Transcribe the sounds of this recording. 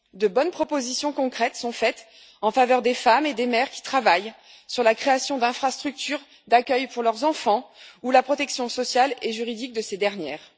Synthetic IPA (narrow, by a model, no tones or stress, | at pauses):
d̪əbɔnpχɔpozisjɔ̃kɔ̃kχɛt̪sɔ̃fɛt̪ | ɑ̃favœʁd̪efamed̪emɛʁkʲi̥t̪χavaj | syʁlakχeasjɔ̃d̪ɛ̃fχast̪χyk̚t̪yʁ | d̪akʲœjpuʁlœʁzɑ̃fɑ̃ulapχɔt̪ɛksjɔ̃sɔsjalɛʒyʁid̪ik̚d̪əsed̪ɛʁnjɛːʁ